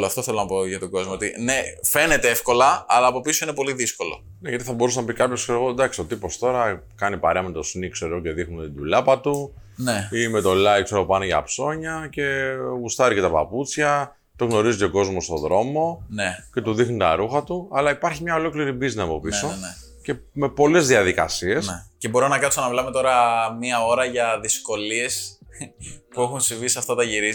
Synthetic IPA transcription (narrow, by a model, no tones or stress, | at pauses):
loɐft̪oθelonɐpoʝɐt̪oɡo̞zmoot̪inefe̞net̪eefko̞lɐɐlɐːpo̞pisoinepo̞liðisko̞lo̞̰ | neʝɐt̪iθɐbo̞ɾusɐnɐpikɐpçoseɾoɣod̪ɐksi̥ot̪ipo̞st̪o̞ɾɐ | kɐnipɐɾeɐmet̪o̞snikse̞ɾoce̞ðixnunet̪id̪ulɐpɐt̪uneime̞t̪o̞lɐikseɾopɐnoʝɐ̰pso̞ɲɐce̞ɣust̪ɐɾicet̪ɐpɐ̰put͡sçɐ | t̪o̞ɣno̞ɾizico̞ɡo̞zmo̞st̪o̞ðɾo̞mo̞nece̞t̪uðixnit̪ɐɾuxɐt̪uɐlɐipɐɾçimɲɐo̞lo̞kliɾibizinɐpo̞piso̞ | ce̞me̞po̞le̞zðiɐðikɐ̰sie̞sce̞bo̞ɾonɐkɐt̪sonɐvlɐme̞t̪o̞ɾɐmiɐo̞ɾɐʝɐðisko̞lie̞s | pue̞xunsivisiɐft̪ɐt̪ɐʝiɾi